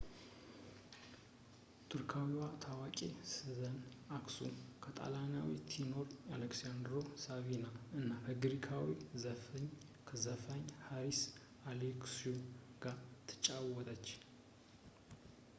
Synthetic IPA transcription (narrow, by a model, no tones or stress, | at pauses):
t̪ʰɨɾkʰawiwat̪ʰawakʼesɨzənaksṵmkʰət̪ʼa̰lana̰wḭt̪ʰːino̞ɾaleksiand̪ɾo̞savinaɨnːakʰəɡɨɾikʰawizəfɲ | kʰəzəfaɲhaɾis | aleksioɡ̥aɾt̪ʰɨ̥t͡ʃʼawɔt̪ʼət͡ʃː